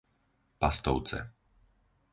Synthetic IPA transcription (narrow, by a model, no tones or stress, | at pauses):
past̪ɔ̰ʊt͡sɛ̰